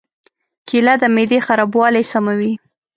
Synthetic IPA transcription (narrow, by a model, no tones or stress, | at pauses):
kilad̪əmed̪exaɾɑbwɑlajsamawi